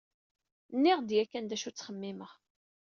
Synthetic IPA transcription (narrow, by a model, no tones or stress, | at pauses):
nːɪʁd̪jækːænd̪æʃut͡sːχəmːɪməʁ